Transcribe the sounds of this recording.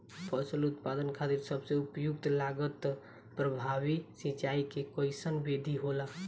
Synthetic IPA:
pʰəsəlut̪pad̪ənkʰat̪iɾsəbseupjuk̚t̪laɡət̪ | pɾəbʱabisit͡ʃaikekəjsənbed̪ʱiɦola

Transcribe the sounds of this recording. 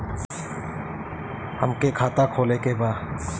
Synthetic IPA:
həmkekʰaːt̪akʰoːlekebaː

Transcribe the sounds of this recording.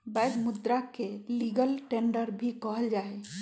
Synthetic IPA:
bajd̪mud̪ɾakeliɡəlʈeɳɖəɾbʱikɔɦəld͡ʒae

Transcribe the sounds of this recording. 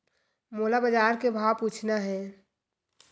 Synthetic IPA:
moːlabəd͡ʒaːɾkebʱaːwpuːt͡ʃʰnaɦɛː

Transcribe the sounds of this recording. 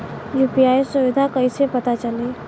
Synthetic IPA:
jupiajsuʋid̪ʱakəjsepət̪at͡ɕəliː

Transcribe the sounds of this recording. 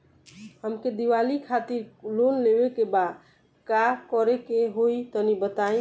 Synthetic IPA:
həmked̪iʋalikʰat̪iɾlonlebekebad̪ | kakɔɾekeɦoit̪ɔnibət̪aĩ

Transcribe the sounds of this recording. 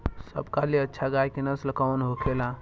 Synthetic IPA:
sə̰bkaliətːʃʰaɡajkinəsləkawnɦokʰela

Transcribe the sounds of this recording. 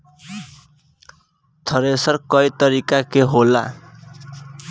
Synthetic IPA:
t̪ʰʌɾesʌrkʌjt̪ʌɾikakeɦola̰

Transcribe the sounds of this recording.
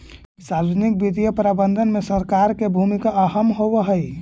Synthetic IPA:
saɾənik̚bid̪ʱijəpɾabənd̪ʱənmesəɾkaɾkebʱumikaəɦəmɦobəɦəj

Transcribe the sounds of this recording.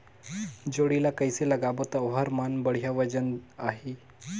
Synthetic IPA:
d͡ʑoɽilakəjseləɡabot̪aɦəɾmanbəɽ̤jaʋəd͡ʑənaɦe

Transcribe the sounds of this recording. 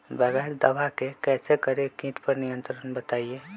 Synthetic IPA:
bəɡaːɾd̪ɐʋakekɛːsekəɾekĩːʈpɐɾnijə̃nt̪ɾənbət̪aːieː

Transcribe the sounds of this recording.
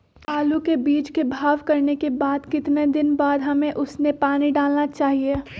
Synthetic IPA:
aːlukebiːt͡ʃkebʱaːʋkɐɾnekebaːd̪kɪt̪ned̪ɪnbaːd̪ɦɐmẽʔʊsnepaːniɖaːlnat͡ʃaːɦie

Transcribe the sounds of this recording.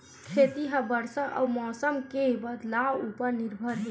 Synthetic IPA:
kʰet̪iɦəbəɾsəʔə̰wmɔsəmkebəd̪lawupəɾniɾbʱəɾɦe

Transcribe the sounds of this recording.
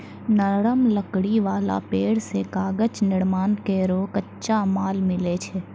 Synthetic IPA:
nəɾəmləkɽiʋaːla̰peːɽsekaːɡət͡ʃnɪɽmaːnkeɾoːkətːʃamaːlmɪlet͡ʃʰɛ

